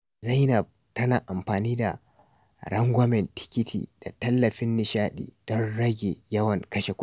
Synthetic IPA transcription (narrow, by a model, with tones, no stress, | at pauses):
za˦jnɐ˨b̚ | tɐ˦naː˨ʔa˨mɸaː˨niː˦da̰˨ | ɽɐ˦ŋɡʷɐ˦mɛ˨ntʰɪ̥˦kʲɪ˦tʰḭː˨d̥a˨tɐ˦lːɐ˨ɸɪ˦nːɪ˨ʃaː˦ɗḭː˨d̥ɔ˦nɽɐ˦ɡʲe˨jɐ˦wɐ˨ŋkɐ˦ʃe˨kʷʊ˦